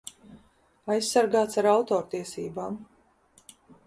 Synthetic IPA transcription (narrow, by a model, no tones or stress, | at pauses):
ajsːaɾɡaːt̪saɾawt̪ɔːɾt̪iɛsḭːbaːm